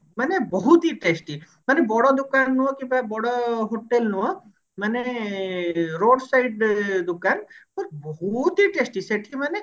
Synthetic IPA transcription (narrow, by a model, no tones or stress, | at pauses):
mənebɔɦut̪iʈesʈi | mənebɔɽɔd̪ʊkanːũɦɔkibabɔɽoɦoʈelnũɔ | məne | ɾoːɖsaiɖd̪ʊkanpɔɾbɔɦut̪iʈesʈiseʈʰiməne